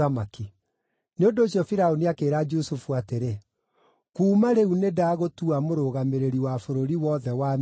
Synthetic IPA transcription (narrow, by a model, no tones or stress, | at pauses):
amaki | neondoːɕjɔfiɾaoniakeːɾad͡ʒusufuateɾe | kuːmaɾeunedaːɣotuamoɾoɣameɾeɾiwafoɾoɾiwɔðɛwam